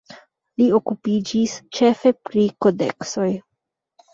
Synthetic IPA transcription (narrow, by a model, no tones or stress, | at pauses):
lio̞kupid͡ʒist͡ʃe̞fe̞pɾiko̞de̞̰kso̞j